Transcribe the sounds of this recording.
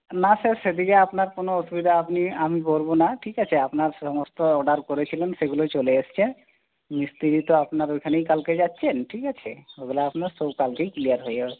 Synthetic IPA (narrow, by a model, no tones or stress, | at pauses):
nasesed̪ikeapnaɾkonoosubid̪ʱaapniamiboɾbonaʈʰiːkat͡ʃʰeapnaɾsɔmɔst̪oɔɖaɾkoɾet͡ʃʰilenseɡulot͡ʃoleːst͡ʃʰe | mist̪iɾit̪oapnaɾekʰaneikalked͡ʒat̪ːʃʰenʈʰiːkat͡ʃʰeoɡlaːpnaɾsobkalkeiklijaɾɦoje